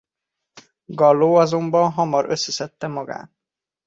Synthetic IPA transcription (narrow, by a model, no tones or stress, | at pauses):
ɡɒlːoːɒzo̞mbɒnɦɒmɒɾøsːɛsɛt̪ːɛmɒɡa̰ːt̪